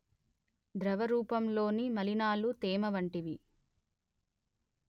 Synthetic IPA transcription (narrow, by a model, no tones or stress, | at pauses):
d̪ɾɐʋɐɾuːpɐmlo̞ːnimɐlinaːlut̪eːmɐʋɐɳʈiʋi